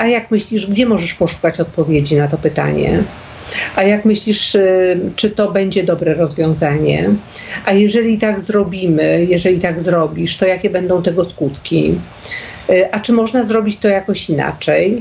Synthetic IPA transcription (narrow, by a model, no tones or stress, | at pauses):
ʔajakmɘɕlʲiʐɡd͡ʑɛmɔʐɛʂpɔʂu̥kat͡ɕɔt̪̚pɔvʲjed͡ʑinat̪ɔpɘt̪a̰ɲɛ̰ | ʔajakmɘɕlʲiʂ | t͡ʂɘt̪ɔbɛɲd͡ʑɛd̪ɔbɾɛɾɔzvʲjɔ̃w̃zaɲɛ̰ʔajɛʐɛlʲit̪aɡzɾɔbʲimɘjɛʐɛlʲit̪aɡzɾɔbʲiʂt̪ɔjakʲɛbɛnd̪ɔ̃w̃t̪ɛɡɔskut̪kʲi | ʔat͡ʂɘmɔʐnazɾɔbʲit͡ɕt̪ɔjakɔɕina̰t͡ʂɛj